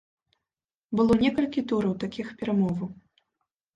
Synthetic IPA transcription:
bɨlˠɔnʲɛkɐlʲkʲit̪uɾɐwt̪akʲixpʲɛɾamɔvɐw

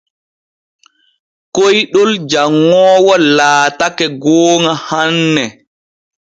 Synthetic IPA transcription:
kojɗɔld͡ʒaŋːɔːwɔlaːtakɛɡɔːŋahanːɛ

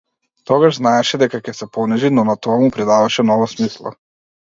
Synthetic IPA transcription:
t̪ɔɡaʒznaɛʃɛd̪ɛkakɛsɛpɔnɛʒinɔnat̪ɔamupɾid̪avaʃɛnɔvasmislˠa̰

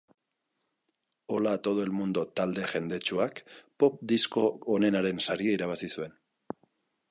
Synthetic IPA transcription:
o̞lat̪o̞ð̞oe̞lmund̪ot̪ald̪e̞ʝe̞nd̪e̞t͡ʃuakpo̞p̚d̪isko̞ːne̞naɾe̞nsaɾiaiɾaβ̞asisue̞n

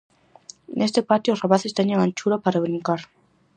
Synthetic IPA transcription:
nʔest̪epat̪joʊrapaθest̪eɲeŋant͡ʃuɾapaɾaβɾiŋkaɾ

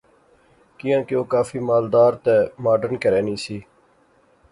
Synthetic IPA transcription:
kɪjãːkɪoːkaːfiːmaːld̪aːɾt̪ɛːmaːɖəɾnkəɾɛːniːsiː

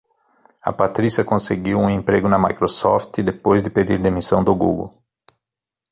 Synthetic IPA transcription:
ɐ̰pat̪ɾisiɐkõseɡiwũẽmpɾeɡʊnɐmajkɾosɔft̪ɪd̪epojzd̪ɪped̪iɾd̪emisɐ̃w̃d̪ʊɡṵɡo̰w

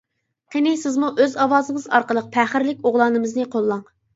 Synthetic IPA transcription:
qʰenɪsɪzmuʔøzɑwɑːzɨŋɨzɑ̰ɾqəlˠəq̚pʰæχɪɾlɪk̚ʲoʁlˠɑːnɨmɨznɨqʰolˠːɑŋ

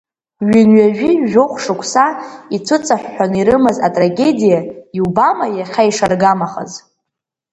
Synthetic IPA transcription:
ɥʏnɥaʒᶣiʒoχʷʂɨkʷʼʰsait͡sʷʰɨt͡sʼaħʷᶣːaniɾɨmɨzatʼraɡʲe̞dijaiubamajaχʲaiʂarɡamaχə̰z

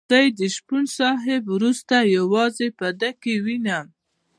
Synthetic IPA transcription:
d̪ajd̪əʃpunsɑɦɪbwɾust̪ajawɑzepad̪akewinam

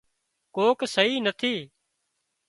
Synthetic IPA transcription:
koːksəɦiːnət̪ʰiː

